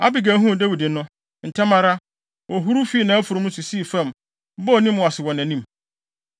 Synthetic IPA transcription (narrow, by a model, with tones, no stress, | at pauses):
a̰˦bi˨ɡæ˨˦ɦũ˦˨dæ˦wi˨dɪ˨nʊ̃˦ | n̩˨tʰɛ˦mã˦ɾa˦ | ɔ˨ɦu˦ɾu˦fi˦nã˨˦æ˦fʊ˨ɾu˨mʊ̃˦su˨siː˦˨fɛ̃˦˨m˦ | bɔ˦˨nĩ˦mʊ˨a˨sɪ˨wɔ̃˨næ̃˨nĩ˦m